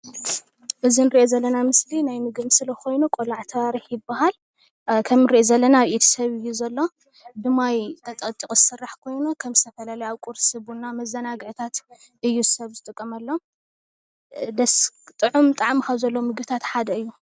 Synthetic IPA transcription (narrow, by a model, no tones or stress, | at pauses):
ʔɨzinɨɾʔezɐlːɐnamɨslinajmɨɡɨmsɨlɐko̞jnukʼolaʕt̪ʰɐwaɾiħjɪbːahal | kʰɐmɨɾiʔezɐlːɐnaβʔit̪ʰi̥sɐβɨjːuzɐlːo̞ | d̪ɨmːajt̪ʰɐt̪ʼɐt̪ʼːikʼzɨsɨrːaħkʰo̞jnukʰɐmzst̪ʰɐfɐlalɐjaβkʼuɾsɨβunːamɐzːɐnaɡɨʕt̪ʰat̪ | ʔɨjːuzɨsɐβzɨt̪ʼɨkʼːɐmɐlːo̞ | d̪ɐst̪ʼɨʕumt̪ʼaʕmkʰaβzɐlːomɨɡbɨt̪ʰat̪ħad̪ɐɨjːu